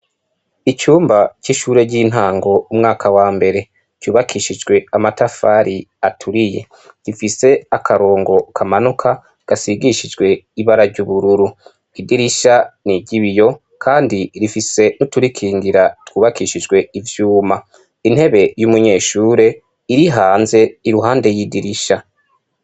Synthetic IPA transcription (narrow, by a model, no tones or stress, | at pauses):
it͡ʃuːmbaciʃuːɾe̞ɟiːn̥ɦaːŋɡo̞umŋaːkʰawaːmbe̞ɾe̞ | cuːβakʰiːʃid͡ʒɡwe̞amatafaːɾiatʰuɾije̞̰ | ɡifise̞akʰaɾo̞ːŋɡo̞kʰamanukʰa | ɡ̥asiɡiʃid͡ʒɡwe̞iβaɾaɾɟuβuɾuɾu | idiɾiʃaniɟiβijo̞ | kʰaːndiɾifise̞nutuɾikʰiːŋɡiɾatwuːβakiːʃid͡ʒɡwe̞ivjuːma | in̥e̞βe̞jumuɲe̞ːʃuːɾe̞ | iɾiɦaːnze̞iɾuɦaːnde̞jiːdiɾiʃa